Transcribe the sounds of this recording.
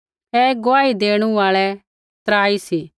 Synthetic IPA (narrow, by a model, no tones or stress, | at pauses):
ɛɡoaːid̪eːɽ̃ũaːɭɛ | t̪ɾaːisiː